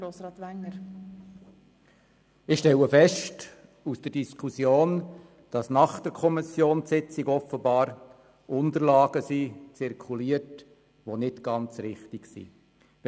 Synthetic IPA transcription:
ɾoːsɾɑːt̪ʋænəɾ | ɪχʃtɛləfɛʃt | usd̥əd̥iskʰusjoːn | d̥ɑsnɑχd̥əɾkʰɔmɪsjoːnsɪt͡sɪɡɔfəbɑːɾ | ʔʊndəɾlɑːɡ̥əsit͡sɪrkʰuliːərt | ʋonɪtɡ̥ɑnt͡srɪχtiɡsḭ

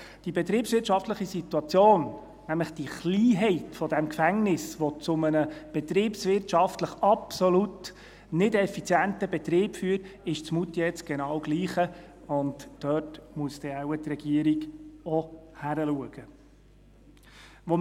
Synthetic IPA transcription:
d̥ibɛt̪ɾiːpsʋɪːrtʃɑftləχisit̪uɑt͡sjoːn | næmləχd̥iχliːɦɛɪtfɔdæmkfæŋnɪsʋɔt͡sʊmənəb̥ɛt̪ɾiːpsʋɪrtʃɑftləχɑpsɔlut | nɪdɛfit͡sjæntəbɛt̪ɾiːpfyːɾɪʃt͡smut̪ːjɛt͡sɡ̥ɛnɑːwɡ̥liːχə | ʊntːœtmuəstɛæwət̪rɛɡ̥iəɾiɡɔhæɾəluəɡ̥ə | ʋɔ

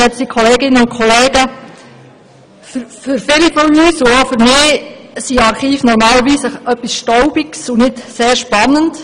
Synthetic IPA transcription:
ɛt͡sdikʰɔleːɡɪnːəʊnkʰɔleːɡə | ffʏɾfɪlifɔyːsuofʏɾmɪːsiɑɾχiːfnɔɾmɑːləɾʋiːsəʔœpːisʃtɔʊbiksunɪdseːɾʃpɑnːənt

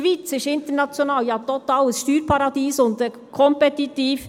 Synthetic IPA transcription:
ʋiːt͡sɪʃɪnt̪əɾnɑt͡sjonɑːljɑt̪ɔt̪ɑːləsʃtyːɾpʰɑɾɑd̥̪iːsʊnd̪ə | kʰɔmpɛt̪it̪iːf

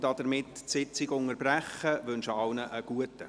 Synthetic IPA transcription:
dɑdəɾmɪtsɪt͡sɪɡʊŋərbræχəʋʏnʃɑʊnəʔəɡ̥uətə

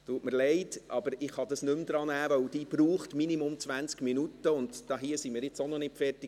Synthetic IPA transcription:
tuːtməɾlɛɪtʔɑb̥əɾɪχhɑd̪ɑsnʏmd̪ɾɑːnæːʋœwd̥iːb̥ɾuːχtminimʊmt͡sʋænt͡skminutːəʊndd̥ɑɦiəsimiːɾjɪt͡sonɔnɪtfɛrtɪ

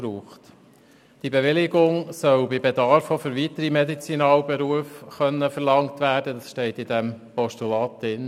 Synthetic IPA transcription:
ɾuːχt | d̥ibeʋɪlɪɡʊŋsœʊbɪbedɑɾfofʏɾʋitəɾimɛdit͡sinɑːlbɛɾuəfχœnːəfəɾlɑŋtʋæːɾdədɑsʃtɛɪtːɪdɛmpɔʃtulɑːt̚dɪn

